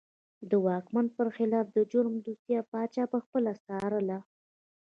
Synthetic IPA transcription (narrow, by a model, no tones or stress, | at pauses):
d̪əwɑkmanpəɾxɪlɑfd̪əd͡ʒʊɾmd̪ust̪jɑpɑt͡ʃɑpəxpəlast̪ɑɾəla